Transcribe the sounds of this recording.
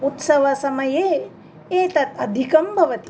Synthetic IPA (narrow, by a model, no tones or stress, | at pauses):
ut̪sɐʋɐsɐmɐjeː | eːt̪ɐt̪ɐd̪ʱikɐmbʱɐʋɐt̪i̥